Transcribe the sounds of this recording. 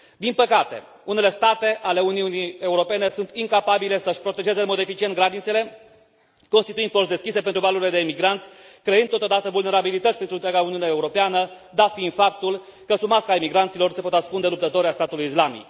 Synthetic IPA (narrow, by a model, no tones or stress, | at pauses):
d̪inpəkat̪e̞̰ | une̞le̞st̪at̪e̞ʔale̞uniunie̞uɾo̞pe̞ne̞sunt̪iŋkapabile̞səʃpɾo̞t̪e̞ʒe̞zemod̪e̞fit͡ʃient̪ɡɾad̪it̪se̞le̞ | ko̞nst̪it̪uind̪̚posd̪e̞skʲise̞pe̞nt̪ɾuvaluɾile̞d̪e̞imiɡɾant̪sʲ | kɾe̞ɨnt̪ːot̪od̪at̪əvulne̞ɾabilit̪ət̪sʲpɾent̪ɾunt̪ɾʲaɡauniuneeːuɾopeanə | d̪afinfap̚t̪ul | kəsumaskaimiɡɾant̪silo̞rse̞po̞t̪askund̪e̞lup̚t̪ət̪o̞ɾeast̪at̪ulujislamḭk